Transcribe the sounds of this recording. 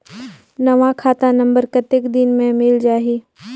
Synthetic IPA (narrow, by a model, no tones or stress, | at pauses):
nɐʋãkʰaːt̪ãnɐ̃mbəɾkɐt̪ɪkd̪ɪnmẽmɪld͡ʒaːɦiː